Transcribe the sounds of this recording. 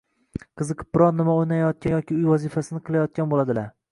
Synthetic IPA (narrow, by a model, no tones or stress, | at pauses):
qʰɨzɨqʰɨ̥p̚bɪɾɒɾnːɪmaojnajjɒt̪̚kʲanjɒkʲɪʊjvɒzifasɪnɪqʰɨlˠajɒt̪̚kʲanbolˠad̪ɪlaɾ